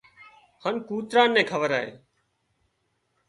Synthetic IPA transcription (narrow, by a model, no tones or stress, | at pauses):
haːnkuːt̪ɾaːnːẽːkʰəʋəɾaːɦḛː